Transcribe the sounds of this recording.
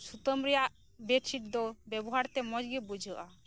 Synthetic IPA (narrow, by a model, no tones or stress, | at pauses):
sut̪əmɾɛjaʔ | beʈsʰiʈ̚d̪ɔbɛbɔɦaɾt̪ɛmɔd͡ʒɡɛbud͡ʒʱəʔa